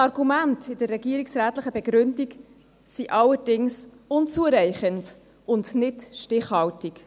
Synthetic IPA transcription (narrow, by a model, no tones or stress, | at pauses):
ɑɾɡumæntɪd̥ərːɛɡiəɾiksɾæːtləχəb̥ɛɡɾʏndik | siʔɑləɾdɪŋs | ʊnt͡suəɾɛɪχənd | ʊndnɪtʃtɪχhɑwtik